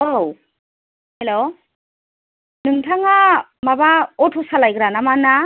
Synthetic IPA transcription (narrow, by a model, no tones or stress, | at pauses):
ow | helo | nɯŋtʰaŋa | mabaɔtʰɔsalajɡɾanamana